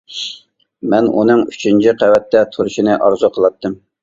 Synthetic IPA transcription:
mɛnṵnɨŋyt͡ʃʰint͡ʃʰiqʰæwɛt̪ʰːɛt̪ʰuɾʃinɨʔɑɾzuqʰəlˠɑt̪ːɨm

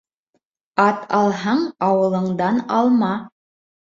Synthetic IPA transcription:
ɑt̪ɑlˠɦɑɴɑwɤ̆lˠɤ̆ɴd̪ɑnɑlˠmɑ

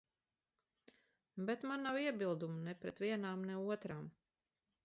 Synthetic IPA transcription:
bɛt̪manːawiɛbilˠd̪umunɛpɾɛt̪viɛnaːmnɛuɔt̪ɾaːm

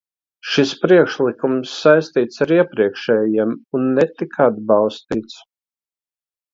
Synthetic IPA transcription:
ʃispɾiɛkʃlˠikumsːajst̪iːt̪saɾiɛpɾiɛkʃɛːjjiɛmunːɛt̪ikʰad̪̚bɑlˠst̪iːt̪s

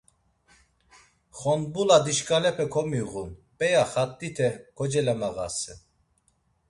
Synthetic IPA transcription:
χɔnbulad̪iʃkʼalɛpʰɛkʰɔmiɣunpʼɛjaχat̪ʼːit̪ʰɛkʰɔd͡ʒɛlɛmaɣa̰sɛ

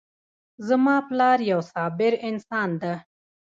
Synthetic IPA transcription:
zəmaːplɑːɾjɐwsaːbɪɾɪnsaːnd̪a

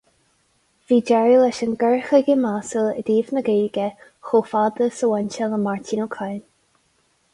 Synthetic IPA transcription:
v̥iːd͡ʒɛɹilɛʃənɡɛɹxəɡəmasələ̰d̪iːvnəɡiːɡə | xoːfad̪əsəwɛnʲt͡ʃələmaɹt̪ʰiːnəkʰajn

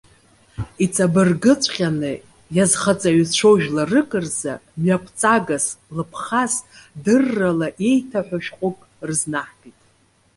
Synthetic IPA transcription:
it͡sʰʼabɨrɡɨt͡sʷʼχʲʼanɨ | jazχat͡sʼaɥzt͡ʃʷʰoʒᶣlarɨkʼɨrza̰mjapʷʰʼt͡sʼaɡaslɨpʰχasdɨrːalaʔe̞jtʰaħʷᶣaʃᶣqʷʼʊkʼ | rɨznaħpʼitʼ

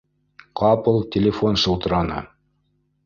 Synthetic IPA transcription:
qʰɑpɤlˠtʲɪlʲɪfonʃɤ̆lˠt̪ɤ̆ɾɑnɤ̰

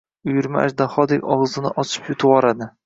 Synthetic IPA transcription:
ʊjʊɾma̰ʔa̰ʃd̪aχɒd̪ekʲɒʁzɪnɪʔɒt͡ʃʰɪ̥pjʊt̪ʰʊɒɾad̪ɪ

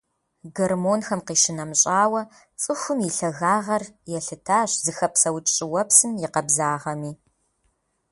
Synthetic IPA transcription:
ɡɐrmoːnxɐmqiːʃɪnɐmɕʼaːwɐ | t͡sʼɨxʷʊmiɬɐɣaːʁɐrjɛɬɨtʰaːɕzɨxɐpsɐwt͡ʃʼt͡ʃʼɪwɐpsɨmjɪqɐbzaːʁɐmiː

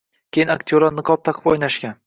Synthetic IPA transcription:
kʲʰejɪnakʲt̪ʰʲoɾanɨqʰɒp̚t̪ʰaqʰɨ̥pɒjnaʃɡʲan

